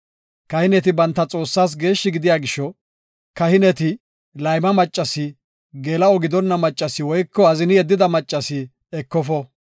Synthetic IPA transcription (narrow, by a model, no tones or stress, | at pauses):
kɐhɪnɛt̪ɪbɐnt̪ːɐt͡sʼo̞ːsːaːs̬ɡe̞ːʃːɪɡɪd̪ɪjaːɡɪʃːɔ | kɐhɪnɛt̪ɪ | lɐjmɐmɐt͡ʃʼːɐsɪ | ɡeːlɐɔɡɪd̪ɔnːɐmɐt͡ʃʼːɐsɪwɔjkːɔɐzɪnɪjɛd̪ːɪd̪ɐmɐt͡ʃʼːɐsɪ | ɛkːɔfɔ